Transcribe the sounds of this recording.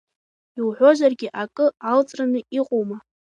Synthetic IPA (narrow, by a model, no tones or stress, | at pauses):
iwħʷᶣo̞ʒʷarɡʲɪʔakʼɨalt͡sʼranɨiqʼowma